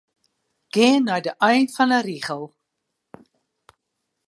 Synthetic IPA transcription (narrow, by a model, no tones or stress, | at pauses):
ɡ̥ɛːnœjdəʔœjntfɐnəɾiːχəlˠ